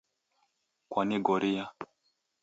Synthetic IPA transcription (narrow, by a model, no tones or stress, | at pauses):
kwaniɡɔɾija